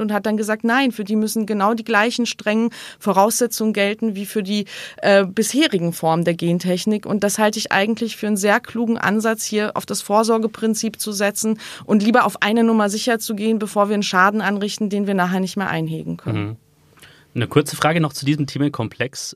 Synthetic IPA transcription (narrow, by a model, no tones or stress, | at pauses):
ʊnthat̚d̥anɡəzaːk̚tnaɪnfyːɐdiːmʏsn̩ɡənaʊdiːɡlaɪçn̩ʃtʁ̥ɛŋənfoʁaʊsz̥ɛt͡sʊŋənɡɛltn̩viːfyːɐdiːʔɛːbɪsheːʁɪɡŋ̩fɔɐməndeːɐɡeːntʰɛçnɪkʊnt̚d̥ashaltəɪçʔa̰ɪɡŋ̩tʰlɪçfyːɐənzeːɐkʰl̥uːɡŋ̩ʔa̰nzat͡shiːɐʔa̰ʊfd̥asfoːɐzɔɐɡəpʁ̥ɪnt͡siːpt͡suzɛt͡sn̩ʔʊntliːbɐʔaʊfʔa̰ɪnənʊmɐzɪçɐt͡suɡeːənbəfoːɐviːɐənʃaːdn̩ʔanʁɪçtn̩deːnviːɐnaːχeːɐnɪçtmeːɐʔa̰ɪnɦḛːɡŋ̩kʰœ̰nən | nəkʰʊɐt͡səfʁ̥aːɡənɔχt͡sudiːzm̩tʰeːmənkʰɔmpʰl̥ɛks